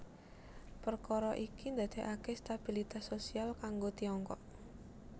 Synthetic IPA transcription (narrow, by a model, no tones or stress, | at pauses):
pərkɔɾɔʔikind̪a̤d̪̥e̤ʔakest̪ab̥ilit̪asosialkaŋɡot̪iɔŋkɔ̰ʔ